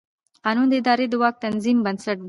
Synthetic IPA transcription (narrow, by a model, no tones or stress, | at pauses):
qɑnund̪əɪd̪ɑɾed̪əwɑk̚t̪anzimbənsaʈ̪̚